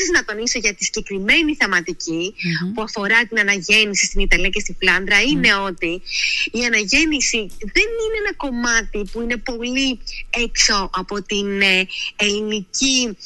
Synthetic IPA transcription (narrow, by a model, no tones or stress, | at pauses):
iznɐt̪o̞niso̞ʝɐt̪i̥si̥ɟe̞kɾime̞niθemɐt̪icipuɐfo̞ɾɐt̪inɐnɐʝe̞nisist̪init̪ɐliɐce̞st̪iflɐnðɾɐine̞o̞t̪iːɐnɐʝe̞nisiðe̞nineenɐko̞mɐt̪ipuine̞po̞lie̞kso̞ʔɐpo̞t̪ineelinici